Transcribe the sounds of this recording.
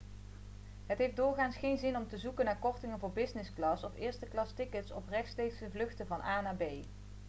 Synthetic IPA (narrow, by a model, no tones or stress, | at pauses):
ɦətɦejfdʊːɹχaːnsχejnzɪnɔmtəzukənːaːɹkɔɹtɪŋənvʊːɹbɪsnɪsklɑsɔfɪːɹstəklɑstɪkətsɔprɛxtstejkstəvlɵχtəvɑnʔaːnaːbej